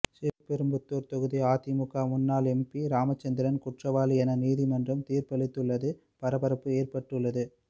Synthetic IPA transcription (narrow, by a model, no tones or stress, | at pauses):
sɪɾɯpɛɾɯmbɯt̪ːoːɾt̪ɔɣɯðiaːt̪imʊkaːmʊnːaːlɛmpiɾaːmɐt͡ʃːɐnd̪ɪɐɾɐnkʊʈrɐʋaːliɛnɐniːðimɐndrɯmt̪iːrpɐɭɪt̪ːɯɭːɐðɯ | pɐɾɐbɐɾɐpːɯeːrpɐʈːɯɭːɐðɯ